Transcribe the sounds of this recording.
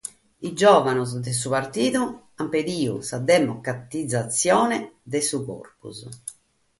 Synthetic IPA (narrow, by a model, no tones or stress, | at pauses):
id͡ʒɔːvanuzd̪ɛs̬upaɾt̪iːðu | amped̪iːṵsad̪ɛmɔkɾat̪id̪zat̪sːjɔːnɛd̪ɛsukɔ̰rpṵz